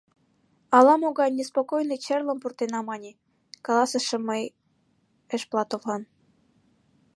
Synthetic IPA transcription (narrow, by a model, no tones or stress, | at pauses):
ɑlɑmoɣɑjnʲespokojnet͡ɕerlə̆mpurt̪enɑmɑnʲe | kɑlˠɑsə̆ʃĕməj | əʃplɑt̪ovlɑn